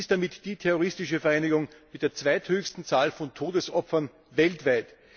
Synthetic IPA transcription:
ɪstd̥amɪtd̥iːtʰɛʁoʁɪstɪʃəfɛɐæɪnɪɡʊŋmɪt̚d̥eːɐt͡sv̥æɪthøːçstn̩t͡saːlfɔntʰoːdəsʔɔpfɐn | vɛltv̥æɪt

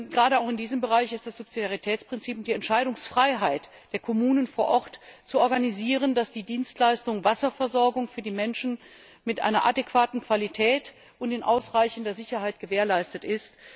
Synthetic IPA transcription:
ɡəʁaːɾəaʊxɪndiːzəmbəʁaɪçɪst̚d̥asz̥ʊpz̥idaʁ̞itʰɛːt͡spʁ̥ɪnt͡siːpʊntd̥iːɛntʃaɪɾʊŋsfʁ̥aɪɦaɪt | d̥eːɐkʰɔmuːnənfoːɐʔɔʁtt͡suɔɐɡaniziːʁ̞əndasd̥iːdiːnstlaɪstʊŋvasɐfɛɐzɔɐɡʊŋfyːɐdiːmɛnʃn̩ | mɪtʔa̰ɪnɐ̰ʔa̰dekv̥aːtn̩kv̥alitʰɛːt | ʔʊntɪnʔa̰ʊsʁaɪçəndɐzɪçɐhaɪt̚ɡ̥əveːɐlaɪstətʔɪst

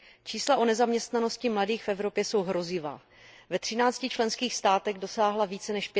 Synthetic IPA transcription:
t͡ʃiːslaʔo̞nɛzamɲɛst̪nano̞scɪmladiːxfɛvɾo̞pjɛso̞wɦɾo̞zɪva̰ː | vɛt̪r̝̥ɪnaːt͡scɪt͡ʃlɛnskiːxst̪aːt̪ɛɣdo̞saːɦlaviːt͡sɛnɛʃp

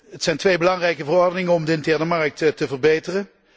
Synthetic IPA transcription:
ɦətsɛjntʋejbəlɑŋrɛjkəvərɔɹdənɪŋənɔmdəɪntɛɹnəmɑɹək̚ttəvərbejtərən

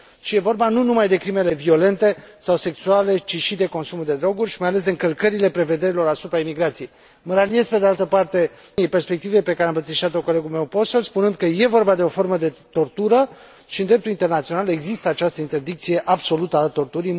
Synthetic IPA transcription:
ʃije̞vo̞rbanunumajd̪e̞kɾime̞le̞vio̞le̞nt̪e̞sawse̞ksuale̞t͡ʃiʃid̪e̞ko̞nsumud̪e̞d̪ɾo̞ɡurʲʃi̥majale̞s̬d̪e̞ɨŋkəlkəɾile̞pɾe̞ve̞d̪e̞ɾilo̞ɾasupɾaimiɡɾat̪sijej | məɾalie̞zpe̞d̪ealt̪əpart̪e̞ | jejpe̞rspe̞k̚t̪ive̞jpe̞kaɾeambət̪siʃat̪oko̞le̞ɡulme̞wpo̞solspunɨnd̪kəje̞vo̞rbad̪e̞o̞fo̞rməd̪e̞t̪o̞rt̪uɾə | ʃiɨnd̪ɾe̞p̚t̪ulint̪e̞rnat̪sio̞nale̞ɡzist̪əat͡ʃast̪əint̪e̞rd̪ik̚t̪sije̞ʔabso̞lut̪əat̪o̞rt̪uɾi

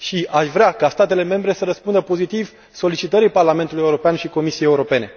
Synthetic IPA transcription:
ʃiʔaʃvɾeakast̪at̪e̞le̞me̞mbɾe̞səɾəspund̪əpo̞zit̪iv | so̞lit͡ʃit̪əɾiparlame̞nt̪ulujeuɾo̞peanʃiko̞misijejeuɾo̞pe̞ne̞

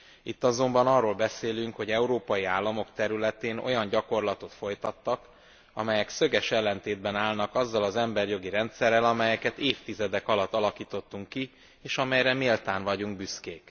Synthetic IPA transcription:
it̪ːɒzo̞mbɒnɒrːoːlbɛseːlyŋkho̞ɟɛuɾoːpɒjiaːlːɒmo̞kt̪ɛɾylɛt̪eːno̞̰jɒɲɟɒko̞rlɒt̪o̞t̪fo̞jt̪ɒt̪ːɒk | ɒmɛjɛksøɡɛʃɛlːɛnt̪eːd̪̚bɛnaːlnɒkɒzːɒlɒzɛmbɛrjo̞ɡiɾɛnt̪sɛrːɛlɒmɛjɛkɛt̪eːft̪izɛd̪ɛkɒlɒt̪ːɒlɒkiːt̪o̞t̪ːuŋkːi | eːʃɒmɛjɾɛmelt̪aːɱvɒɟuŋɡ̚byskeːk

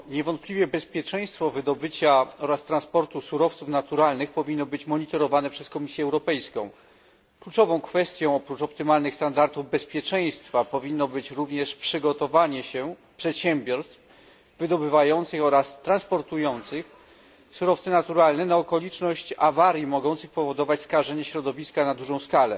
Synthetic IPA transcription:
ɲɛvɔnt̪̚plʲivʲjɛbɛspʲjɛt͡ʂɛ̃j̃st̪fɔvɘd̪ɔbɘt͡ɕaɔɾast̪ɾanspɔɾt̪usuɾɔft̪sufnat̪uɾalnɘxpɔvʲinːɔbɘt͡ɕmɔɲit̪ɔɾɔvanɛpʂɛskɔmʲisʲjɛɛwɾɔpɛjskɔ̰̃w̃ | klut͡ʂɔvɔ̃w̃kfɛst̪ʲjɔ̃w̃ɔpɾut͡ʂɔpt̪ɘmalnɘxst̪and̪aɾt̪uvbɛspʲjɛt͡ʂɛj̃st̪fapɔvʲinːɔbɘt͡ɕɾuvɲɛʂpʂɘɡɔt̪ɔvaɲɛɕɛ | pʂɛt̪ɕɛmbʲjɔɾst̪f | vɘd̪ɔbɘvajɔnt̪sɘxɔɾast̪ːɾãnspɔɾt̪ujɔnt̪sɘx | suɾɔft̪sɘnat̪uɾalnɛnaɔkɔlʲit͡ʂnɔɕt͡ɕavaɾʲjimɔɡɔnt̪sɘxpɔvɔd̪ɔvat͡ɕskaʐɛɲɛɕɾɔd̪ɔvʲiskanad̪uʐɔ̃w̃skalɛ̰

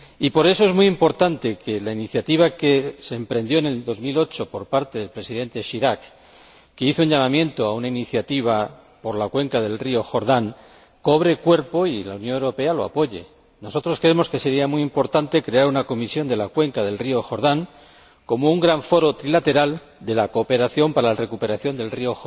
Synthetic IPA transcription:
ipo̞ɾe̞so̞e̞zmujimpo̞ɾt̪ant̪e̞ke̞lainiθjat̪iβ̞ake̞se̞ːmpɾe̞nd̪jo̞ene̞ld̪o̞zmilo̞t͡ʃo̞po̞ɾpaɾt̪e̞ðe̞lpɾe̞siðe̞nt̪e̞ʃiɾakː | e̞iθouɲʎamamjẽ̞nt̪oaunainiθjat̪iβ̞a | po̞ɾlakwe̞ŋkaðe̞lrio̞xo̞ɾðaŋ | ko̞β̞ɾe̞kwe̞ɾpo̞ila̰unjo̞newɾo̞pe̞alo̞a̰po̞ʎe̞̰ | no̞so̞t̪ɾo̞skɾeemo̞ske̞se̞ɾiamiimpo̞ɾt̪ant̪e̞kɾe̞aɾunako̞misjo̞nd̪e̞lakwe̞ŋkaðe̞lrio̞xo̞ɾðaŋ | ko̞mouŋɡɾaɱfo̞ɾo̞t̪ɾilat̪e̞ɾal | d̪e̞lako̞ːpe̞ɾaθjo̞mpaɾalare̞kupe̞ɾaθjo̞nd̪e̞lriox

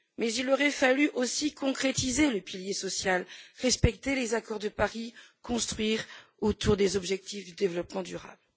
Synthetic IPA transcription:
mɛzilɔʁɛfalyʔosikɔ̃kχet̪izeləpiljesɔsjalʁɛspɛkt̪elezakɔʁd̪əpaʁikɔ̃st̪χɥiʁot̪uʁd̪ezɔbʒɛk̚t̪ifd̪yd̪evlɔpmɑ̃d̪yʁa̰bl

